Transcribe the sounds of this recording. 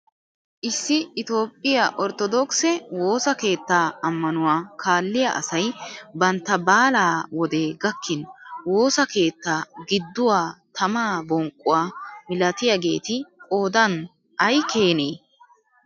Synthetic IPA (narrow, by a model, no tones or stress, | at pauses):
ʔɪsːɪɪt̪o̞ːpʼːɪjaʔɔɾt̪ɔd̪ɔksɛwo̞ːsɐke̞ːt̪ːaːɐmːɐnʊwaːkʰaːlːɪja̰ʔɐ̰sɐjbɐnt̪ːɐbaːlaːwɔd̪e̞ːɡɐkʰːɪnwo̞ːsɐke̞ːt̪ːaːɡɪd̪ːʊwaːt̪ʰɐmaːbɔŋkʼːʊwaːmɪlɐt̪ɪjaɡe̞̰ːt̪ɪkʼo̞ːd̪ɐn | ʔɐjkʰeːneː